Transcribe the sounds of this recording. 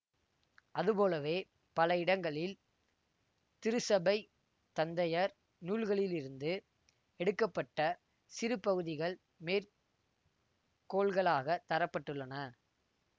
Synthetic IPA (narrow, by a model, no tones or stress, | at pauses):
ʔɐðɯpoːlɐʋeː | pɐlɐɪɽɐŋɡɐɭɪl | t̪ɪɾɯsɐbɐɪ | t̪ɐnd̪ɐjɐɾ | nuːlɣɐɭɪlɪɾɯnd̪ɯ | ɛɽɯkːɐpːɐʈːɐ | sɪɾɯpːɐɣɯðɪɣɐɭ | meːɾ | koːɭɣɐɭaːɣɐt̪ɐɾɐpːɐʈːɯɭːɐnɐ